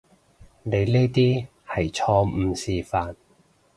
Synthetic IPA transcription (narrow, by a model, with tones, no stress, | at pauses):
ne˨˧jle˥jt̪iː˥ | hɐ˨˩jt͡ʃʰɔː˧m̩ː˨˧siː˨˧faː˨˩n